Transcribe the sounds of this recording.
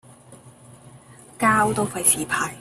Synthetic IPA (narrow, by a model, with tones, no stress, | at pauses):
kaː˥wt̪o˥wfɐ˨˧jsiː˨˩pʰaː˧k̚